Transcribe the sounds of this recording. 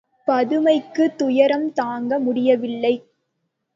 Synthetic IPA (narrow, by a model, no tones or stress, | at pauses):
pɐðɯmɐɪkːɯt̪ʊjɐɾɐmt̪aːŋɡɐmʊɽɪjɐʋɪlːɐɪ